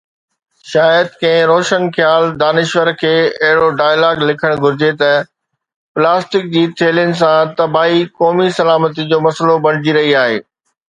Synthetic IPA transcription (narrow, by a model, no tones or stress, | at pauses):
ʃaːjəd̪̚kɐ̃ɪ̃ɾoːʃənxjaːld̪aːnɪʃʋəɾkʰeːɐɦɪɽoɖaːjəlaːɡlɪkʰəɽ̃ɡʱʊɾɪd͡ʑet̪ɐ | plaːsʈɪk̚d͡ʑiːt̪ʰeːlijənɪ̆s̬ãt̪ɐbaːikɔːmisɐlaːmət̪id͡ʑoːmɐsəlobɐɽ̃ɪd͡ʑiɾɐɦiaːɦḛː